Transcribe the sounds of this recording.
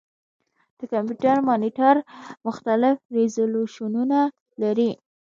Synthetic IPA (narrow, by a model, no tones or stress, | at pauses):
d̪̥əkampjuʈaɾmɑniʈaɾmʊxt̪alɪfɾezoloʃununa | laɾi